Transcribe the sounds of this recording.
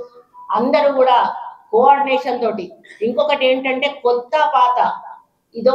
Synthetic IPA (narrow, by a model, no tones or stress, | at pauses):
ɐnd̪ɐɾukuːɽaːkoaːɾɖineːʂɐnt̪o̞ːʈiiŋkɔkɐʈe̞ːɳʈɐɳʈe̞ːkɔt̪ːɐpaːt̪ɐ | id̪o